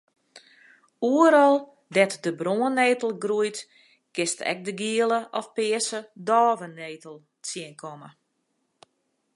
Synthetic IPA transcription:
uəɾɔlˠ | dɛtdəbroəneːtəl̩ˠɡrujt | kɪstɛ̰k̚dəɡiəlˠəʔɔfpɪəsədɔːvəneːtəlˠ | t͡siənkʰɔmə

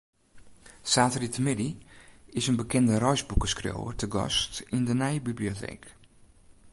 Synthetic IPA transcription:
saːtritmɪdiɪsənbəkʰɛndərɔjsbukəskrḛwə̰rtəɡɔ̰stindənɛjbibliotʰɛ̰ːk

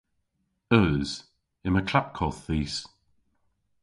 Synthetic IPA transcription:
ɜːz̥ | ɪməkʰl̥ap̚kʰɔθːiːs

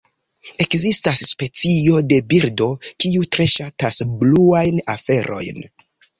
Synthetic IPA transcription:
e̞kzistasːpe̞t͡sio̞de̞biɾdo̞kiutɾe̞ʃatasbluajnafe̞ɾʔo̞̰jn

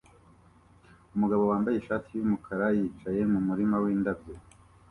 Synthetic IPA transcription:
umuɡaβo̞waːmbajeʃaːtijumukʰaɾajiːt͡ʃaje̞mumuɾimawiːndabje

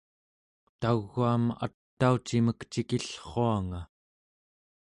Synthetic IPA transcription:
t̪aɣːuama̰t̪ːaut͡ʃiməkt͡ʃikiɬχo̞aŋa

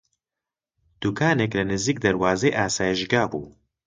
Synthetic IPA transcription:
d̪̥uːkʰaːneklɐnɨziːk̚d̪ɐɾwaːzeːʔaːsaːjiʒɡaːbṵː

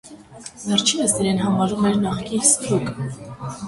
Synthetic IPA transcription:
vɛrt͡ʃʰinəsd̪iɾɛnɦɑmɑɾumɛɾnɑχkisɾuk

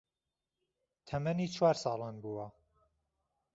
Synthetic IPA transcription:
t̪ʰɐmɐniːt͡ʃʰwaːɾsɑːlˠaːnbuːwɐ

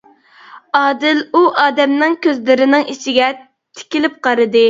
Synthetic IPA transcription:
ɑːd̪ɪluʔɑːd̪ɛmnɪŋkʲʰøzlɪɾɪnɪŋiʃɪɡʲɛ | t̪ʰɪ̥kʲilɪp̚qʰɑɾɨd̪ɨ

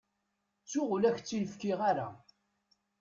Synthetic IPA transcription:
t͡sːʊʁlæçt͡sːiləfkiʁaɾa̰

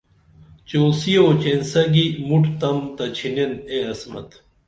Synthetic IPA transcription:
t͡ɕoːsioːt͡ɕensɐɡimuʈt̪ɐmt̪ɐt͡ɕʰineneɐsmɐ̰t̪

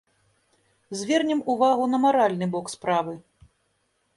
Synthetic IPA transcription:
zʲvʲɛrnʲɛmuvaɣunɐmaɾalʲnɨbɔkspɾavɨ

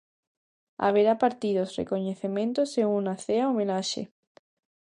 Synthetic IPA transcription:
a̰β̞eɾapaɾt̪iðosrḛkoɲeθemẽnt̪oseŋunaθeaomẽnaʃḛ

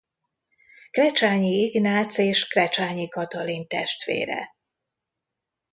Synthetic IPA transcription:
krɛt͡ʃaːɲiiɡnaːt̪seːʃkrɛt͡ʃaːɲikɒt̪ɒlint̪ɛʃt̪ʋḛːɾɛ̰

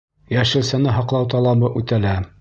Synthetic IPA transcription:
jæʃɘ̆lsænɘɦɑqlˠɑwt̪ɑlˠɑbɤʔʉt̪ælæ

